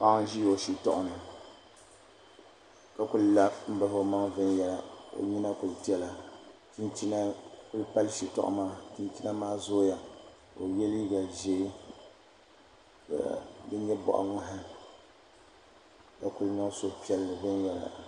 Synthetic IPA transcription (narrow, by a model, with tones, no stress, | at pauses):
pa˦ŋ˦ʒi˦o˨ʃi˨tɔ˦˨ʔʊ˨nɨ˨ | ka˨kʊ˦lla˦m̩˦ba˦fo˨˦ma˦ŋvɨ˦njɛ˨la˨o̰˨ɲi˦na˦kʊ˨lti˦ɛ˦la˨ti˦nt͡ʃi˦na˦ku˦lpa˦lʃi˨tɔ̰˦ʔʊ̰˦maː˦ti˦nti˦na˦maː˦zo˦ja˨ | o̰˨jɛ˦li˦ɡa˨ʒe˦i˦ | ka̰˨bɨ˦ɲɛ˦bɔ̰˨ʔa̰˨ŋa˦ɦɪ˦ | ka˨kʊ˦lɲɔ˦ŋ˦so˦˨pi˦ɛ˦lɨ˨vɨ˦njɛ˨la̰˨